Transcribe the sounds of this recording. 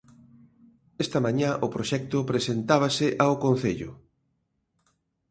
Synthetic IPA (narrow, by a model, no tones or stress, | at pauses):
ɛst̪ɐmãɲãʔʊpɾoʃɛk̚t̪ʊpɾesent̪aβ̞ɐsɪʔaokon̟θeʎʊ̰